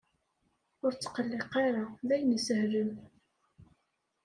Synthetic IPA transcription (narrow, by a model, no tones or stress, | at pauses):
ʊɾt͡sːə̥qəlːeqːɑɾaðæjənəsəhɾəm